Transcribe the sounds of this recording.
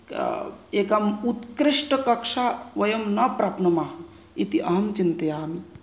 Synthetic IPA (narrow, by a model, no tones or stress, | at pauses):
ekɐmut̪kɾiʂʈɐkɐkʂaʋɐjɐmnɐpɾaːpnɐmaɦ | it̪iʔɐɦɐmt͡ʃint̪ɐjaːmi